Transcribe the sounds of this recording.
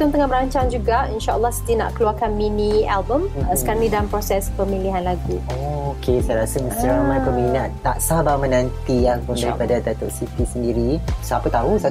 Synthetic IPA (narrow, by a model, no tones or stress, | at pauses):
t̪ʊnt̪əŋaməɾaɲt͡ʃaŋd͡ʒuɡainʃaʔə̰lːahsədəna̰ʔkəluarkanminialbəmsəkanidalampɾosɛspəmiliɦanlaɡuookʰesajɾasəməst̪ɾamãkuminatnaʔsabamənãnt̪iapʊndaɾipadat̪at̪oʔsit̪isəndiɾisapət̪ausa